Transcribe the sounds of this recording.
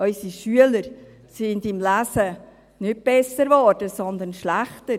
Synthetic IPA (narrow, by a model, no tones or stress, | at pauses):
œʏsiʃyələɾ | sɪndɪmlæsə | nʏt̚b̥ɛsəɾvɔrd̥əsɔnd̪ənʃlæχtəɾ